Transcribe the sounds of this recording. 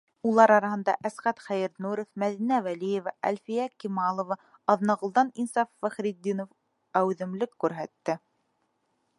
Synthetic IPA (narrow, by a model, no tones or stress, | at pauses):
ulˠɑɾɑɾɑhɤ̆nd̪ɑ̰ʔæsʁæt̪χæjɘɾnuɾɘfmæðinævælijevɑʔæ̰lʲfijækimɑlˠŏvɑ | ɑðnɑʁŏlˠd̪ɑninsɑfːæχɾid̪ːinof | æwðɘ̆mlɘkːʉɾɦæt̪ːɘ